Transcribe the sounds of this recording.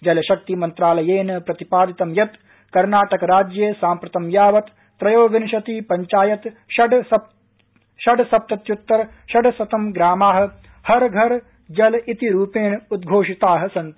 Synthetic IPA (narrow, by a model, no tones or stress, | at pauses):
d͡ʒɐlɐʃɐk̚t̪imɐnt̪ɾaːlɐjeːnɐpɾɐt̪ipaːd̪it̪ɐmjɐt̪ | kɐɾnaːʈɐkɐɾaːd͡ʒjeːsaːmpɾɐt̪ɐmjaːʋɐt̪ | p̪ɾɐjoːʋinʃɐt̪ipɐɲt͡ʃaːjɐt̪ʃɐɖɐ | ʃɐɖsɐp̚t̪ɐt̪jut̪ːɐɾ | ʃɐɖɐsɐt̪ɐmɡɾaːmaːɦɐ̆ | hɐɾɡʱɐɾ | d͡ʒɐlɐit̪iɾuːpeːnɐud̪̚ɡʱoːʂit̪aːɦɐ̆sɐnt̪